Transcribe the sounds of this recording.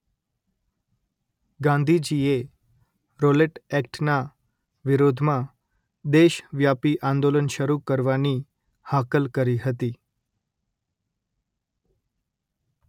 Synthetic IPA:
ɡãnd̪ʱid͡ʑie | ɾoleʈɛkʈna | ʋiɾod̪ʱmã | d̪eɕʋjapiʔãnd̪olənɕəɾukəɾʋani | hakəlkəɾiːɦət̪iː

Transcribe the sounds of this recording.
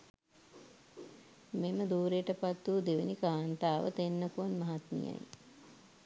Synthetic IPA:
meməd̪uːɾejəʈəpat̪ːuːd̪eʋenikaːnt̪aːʋə̰t̪enːəkuʋanmɐɦat̪mḭja̰j

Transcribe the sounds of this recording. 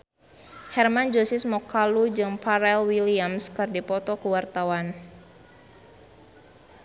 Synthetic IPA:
hɛrmand͡ʒɔsɪsmɔkalud͡ʒɨŋpaɾɛlwiliamskɨrdipɔt̪ɔkəwart̪awan

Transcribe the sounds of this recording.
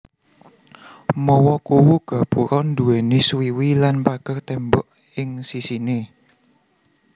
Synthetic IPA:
mɔwɔkuwuɡ̥a̤b̥uɾɔnd̪uweneswiwilanpaɡ̥ərt̪ɛmbɔʔ | ɪŋsisine

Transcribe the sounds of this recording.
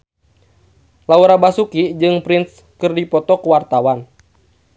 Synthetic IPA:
lauɾabasukid͡ʒɨŋpɾins | kɨrdipɔt̪ɔkuwart̪awan

